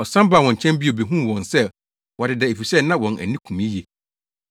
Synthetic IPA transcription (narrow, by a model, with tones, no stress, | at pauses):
ɔ˨sã˦mbaː˦˨wɔ̃˨ɲ˨t͡ɕʰɛ̃˦mbi˦o˨be˨ɦũ˦˨wɔ̃˨nsɛ˦ | wɔ˨dɪ˨dɛ˨e˨fi˨sɛ˦˨nã˦wɔ̃˨nʔæ̰˨nĩ˦kʰũ˨mĩ˦je˨